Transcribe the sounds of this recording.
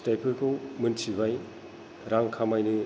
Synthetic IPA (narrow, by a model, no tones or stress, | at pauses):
tajpʰɯɾkʰɯwmɯnsʰibaj | ɾaŋkʰamajni